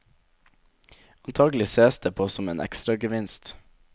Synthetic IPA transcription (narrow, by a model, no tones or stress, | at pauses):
ɑnt̪ʰɑːɡlɪseːsd̪eːpʰoːsɔmeːnʔɛ̰kst̪ɾɑɡəʋɪnst̪